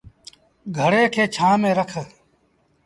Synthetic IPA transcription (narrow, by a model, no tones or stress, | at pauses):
ɡʱəɽeːkʰeːt͡ʃʰãːmẽːɾəkʰ